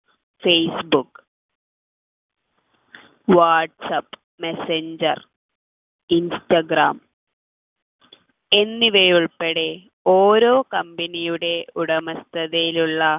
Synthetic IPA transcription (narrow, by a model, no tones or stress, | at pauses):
fejsbukː | ʋaːʈsɐpː | meseɲd͡ʑɐ̰r | instɐɡra̰ːm | e̞nːiʋejuɭpeɽe̞ | o̞ːɾo̞ːkɐmbɐnijuɽe̞uɽɐmɐst̪ʰɐðɐjiluɭːɐ